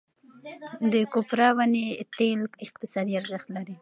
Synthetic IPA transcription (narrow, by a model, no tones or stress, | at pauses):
d̪əkopɾɑwanet̪elkɪq̚t̪ɪsɑd̪iaɾzəxt̪laɾi